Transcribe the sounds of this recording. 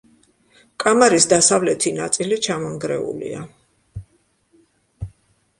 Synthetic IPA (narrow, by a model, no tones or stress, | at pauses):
kʼamaɾisd̪asavlɛt̪ʰinat̪sʼilit͡ʃʰamɔŋɡɾɛ̰ṵlḭa̰